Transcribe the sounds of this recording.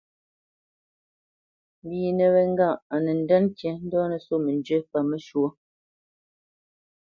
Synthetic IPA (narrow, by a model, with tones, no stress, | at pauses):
m̩˦biː˨nə˨βɛ˨ŋ̩˦ɡa˦˨ʔa˨nə˨n̩˨dɛ˦nkjɛ˨n̩˦dɔː˦nə˨so˦˨mə˨n˨d͡ʒə˦pa˨me˦ʃwo˦